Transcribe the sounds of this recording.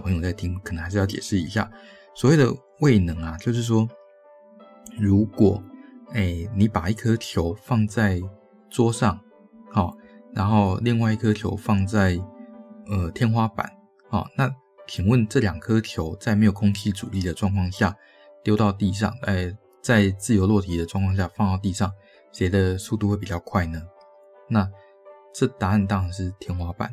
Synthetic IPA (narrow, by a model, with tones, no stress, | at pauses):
pʰŋjo˨˩t͡sɪi˥ŋk̪ʰə˧˦ŋxʂ̩˥˧jɑ˥˩ʊt͡ɕjɛ̰˨˩ʂɻ̩˥˩ḭ˧˥ɕja̰˥˩ | swɔ˨˩we˥˩d̪ə̰˨˩ | we˥˩ɪnɤ˧˥ŋɐ˨t͡ɕjo˥˧ʊʂ̬ɻ̩˥˩ʂwɔ˥ | ɻu˧˥kwɔ˨˩˦e˥˩ɪni˧˥pa˨˩i˥˩kʰɤ˥t̪ʰjo˧˥ʊfɑ˥˧ŋt͡sa˥˩ɪ | t͡swɔ˥ʂɑ˥˩ŋ | hɔ˨˩ɻa˧˥nxo˥˧ʊli˥˧ŋwa˥˧ɪi˥˩kʰɤ˥t̪ʰjo̰˧˥ʊfɑ˥˧ŋt͡sa˥˩ɪ | ə˩t̪ʰjɛ˥nxwa˥pa̰˨˩˦n | hɔ̰˨˩na˥˩ | t͡ɕʰi˨˩ŋwə˥˨nʈ͡ʂɤ˥˩ljɑ˨˩ŋkʰɤ˥t̪ʰjo˧˥ʊt͡sa˥˩ɪm˧˥ɪjkʰʊ˥ŋt͡ɕʰi˥˩ʈ͡ʂṵ˨˩li˥˩d̪ə˩ʈ͡ʂwɑ˥˧ŋkʰwɑ˥˧ŋɕja˥˩ | t̪jo˥ʊt̪ɑ˥˧ʊt̪i˥˧ʂ̬ɑ̰˥˩ŋə˧˩ | t͡sa˥˧ɪt͡sɹ̩˥˩jo˧˥ʊlwɔ˥˩t̪ʰi˧˥d̪ə˨ʈ͡ʂwŋkʰwɑ˥˧ŋɕja˥˧fɑ˥˧ŋt̪ɑ˥˧ʊt̪̬i˥˧ʂɑ˥˩ŋ | ɕɛ˧˥ɪd̪ə˧su˥˧t̪u˥˧xwe˥˩pi˨˩t͡ɕɑ˥˧ʊkʰwa˥˩ɪnə˩ | na˥˧ | ʈ͡ʂɤ˥˩t̪a˧˥a˥˩nt̪ɑ˥ŋʂɑ˧˥nʂɻ̩˥˩t̪ʰjɛ˥nxwa˥pa̰˨˩˦n